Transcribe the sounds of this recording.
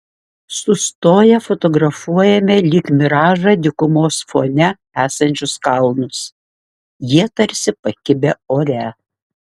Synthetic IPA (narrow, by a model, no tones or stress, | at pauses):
sʊst̪oːjɛfɔt̪ɔɡɾɐfuɔjɛmʲɛlʲiːkmʲɪɾɑːʒɑd̪ʲɪkʊmoːsfo̰ːnʲɛ | æːsɐnʲt͡ʃʲʊskɐlˠnʊs | jiɛt̪ɐɾʲsʲɪpɐkʲɪbʲɛoːɾʲæ